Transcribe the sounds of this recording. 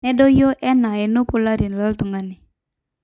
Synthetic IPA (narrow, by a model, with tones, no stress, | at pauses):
nɛ˦dɔ˦jo˦ʔɛ˦na˨ɛ˨no˦pʊ˦la˦ɾi˨nla˦lt̪u˨ŋa˦nɪ˨